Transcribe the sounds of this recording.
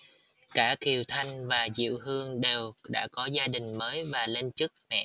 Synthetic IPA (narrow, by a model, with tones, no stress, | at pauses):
kaː˧˩ki˨˩əwt̪ʰa˧jŋ̟vaː˨˩zḭ˧˨əwɦɨ˧əŋɗe˨˩wɗa̰ː˧˥kɔ˨˦zaː˧ɗï˨˩ŋ̟məː˨˦jvaː˨˩le˧nt͡ɕɨ˦˥k̚mɛ̰˧˨